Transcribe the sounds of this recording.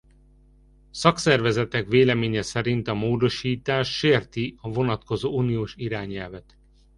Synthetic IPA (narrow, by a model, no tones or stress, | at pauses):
sɒksɛrvɛzɛt̪ɛkveːlɛmeːɲɛsɛɾint̪ɒmoːd̪o̞ʃiːt̪aːʃːeːrt̪iɒvo̞nɒt̪ko̞zoːuːnijoːʃiɾaːɲɛlvɛt̪